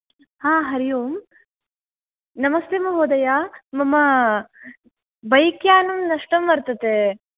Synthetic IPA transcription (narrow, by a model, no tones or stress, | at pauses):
haːɦɐɾijuːm | nɐmɐst̪eːmɐɦoːd̪ɐjaːmɐmɐ | bɐjikjaːnɐmnɐʂʈɐmʋɐɾt̪ɐt̪e